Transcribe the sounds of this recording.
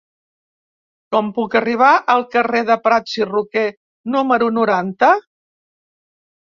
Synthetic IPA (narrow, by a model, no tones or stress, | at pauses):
kɔmpukəriβ̞aʔəlˠkəreðəpɾasiruke | numəɾunuɾant̪ə